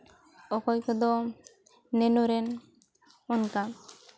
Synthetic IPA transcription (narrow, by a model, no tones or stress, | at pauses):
ɔkɔjkɔd̪ɔ | nɛnɔɾɛn | ɔnka